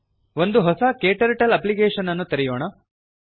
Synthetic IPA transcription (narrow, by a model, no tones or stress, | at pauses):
ʋo̞nd̪uɦɔsɐkeːʈɐɾʈɐlɐpliɡeːʂɐnɐnːut̪ɐɾijoːɳɐ